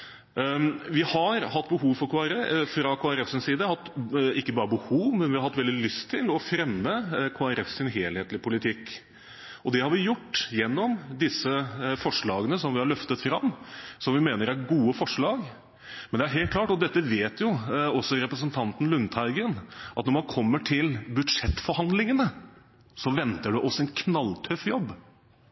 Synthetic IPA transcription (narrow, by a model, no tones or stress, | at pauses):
ʋɪhɑɾhɑt̪ːbəɦuːʋfɔɾkʰoːæɾɛfɾɑkʰoːæɾɛfsɪnsiːd̪əhɑt̪ːɪkːəbɑːɾəbəhuːʋmɛnʋɪhɑɾhɑt̪ːʋɛld̪ɪlʏst̪ʰːɪlɔfɾɛmːəkʰoːæɾɛfsɪnɦeːlheːt̪lɪpʊlɪt̪ʰɪkː | ɔd̪ɛhɑɾʋɪjʊʈːjɛnːɔmd̪ɪsəfɔʂɭɑːɡənəsɔmʋɪhɑɭœft̪ət̪fɾɑmːsɔmʋɪmeːnəɾæɾɡuːəfɔʂɭɑːɡ | mɛnd̪ɛæɾɦeːl̚kʰlɑːʈɔd̪ɛt̪ːəʋeːt̪jʊɔsːɔɾɛpɾəs̬ənt̪ʰɑnt̪n̩lʉnt̪ʰæɪɡənʔɑt̪nɔɾmɑnkʰɔmːəʈʰɪlbʉd̪ʂɛt̪ːfɔɾhɑnd̪lɪŋənə | sɔʋɛnt̪əɖɛʔɔsːɔɛnkʰnɑlt̪ʰœfjɔbː